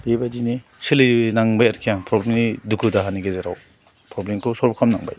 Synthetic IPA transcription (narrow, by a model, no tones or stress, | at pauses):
debadinisilinaŋbajaɾkʰijaŋpʰɾɔblemnidukʰudaɦaniɡezeɾa̰w | pɾɔblemkʰɯsɔɾbkʰamnaŋba̰j